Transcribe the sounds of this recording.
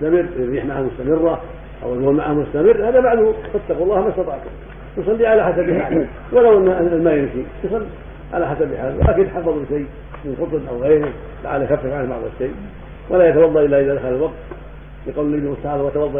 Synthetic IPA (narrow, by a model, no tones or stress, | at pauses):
st̪amɪrːiːħmaʕahmʊst̪amɪrːa | ʔa̰wɪuːnmaʕahmʊst̪amɪrːhaːðabaʕd̪hʊfat̪ːɑquɑlˤːɑːhmast̪ɑt̪ˤɑːʕt̪ | jʊsˤɑlːiʕalaħasabɪħaːl | walawʔɪnːlmaːjɪmʃijsˤɑlːi | ʕa̰laħasabɪħaːlw̰lʔaːkɪnɪt̪ħɑfːɑðˤlɪʃajː | mɪnqʊt̪ˤnʔawɣeːɾɪ | la̰ʕa̰lːjaxafːɪfʕanba̰ʕd̪ˤɑ̰lʃej | wʔalajat̪awɑdˤːɑʔɪlːaʔɪðad̪axalalwɑɡ̚t̪ | lɪqɑwllalimʊst̪aʕaːlˤwat̪awɑðˤːɑ